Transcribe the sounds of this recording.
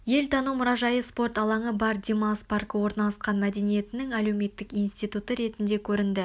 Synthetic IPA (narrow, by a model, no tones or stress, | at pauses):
je̞lt̪ʰɑnumʊɾɑʒɑjəspo̞rt̪ɑlˠɑɴəbɑɾd̪ʲemaspɑrkəwo̞ɾnɑlˠɑsqɑnmæd̪e̞nije̞t̪ɪnɪŋæle̞wme̞t̪ːɪkijnst̪ijt̪ut̪əɾe̞t̪ɪnd̪e̞kʲʰɵɾɪnd̪ɪ